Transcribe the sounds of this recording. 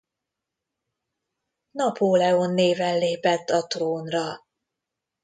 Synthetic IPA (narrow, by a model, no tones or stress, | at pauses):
nɒpʰoːlɛonːeːvɛnleːpɛt̪ːɒt̪roːnrɒ